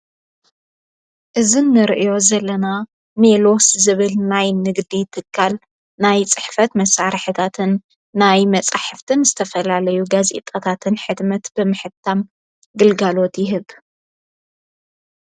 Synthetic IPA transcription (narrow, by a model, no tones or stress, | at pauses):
ʔɨzinːɨɾʔjo̞zɐlːɐna | melo̞szɨβɨlnajnɨɡd̪it̪ʰɨkʰːal | najt͡sʼɨħfɐt̪mɐsaɾħɨt̪ʰat̪ʰɨnː | ajmɐt͡sʼaħɨft̪ʰɨnzɨt̪ʰɐfɐlalɐjuɡazḛt̪ʼɐt̪ʰat̪ʰɨnħɨd̪mɐt̪bɨmɨħɨt̪ʰːam | ɡɨlɡalo̞t̪jɪɦɨβ